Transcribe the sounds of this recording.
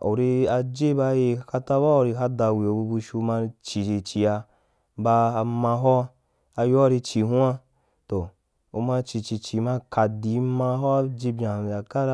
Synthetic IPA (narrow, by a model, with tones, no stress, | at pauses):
o̰˨ɾi˧a˧d͡ʒe˦ba˧˦je˧ka˧ta˦ba˦o˧ɾi˧ɦa˦da˧˨wi˨o˧bu˧bu˧ʃu˧ma˧t͡ʃi˨i˧t͡ʃi˧a˧ | baː˧ma˧ɦɔ˦ | a˧jo˦˧ɾi˧t͡ʃi˧ɦu˦a˦ | to˨ | o˧ma˧t͡ʃi˧t͡ʃi˧t͡ʃi˧ma˧ka˧di˨˦ma˧ɦɔ˦d͡ʒe˧bʲa˨a˨ka˦ɾ